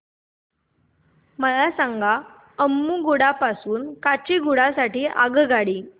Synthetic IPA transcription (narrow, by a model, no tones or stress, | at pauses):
məlasãŋɡʱa | əmːuɡuɽapasuːnkat͡ɕiːɡuɽasaʈiːʔa̰ɡɡaɽiː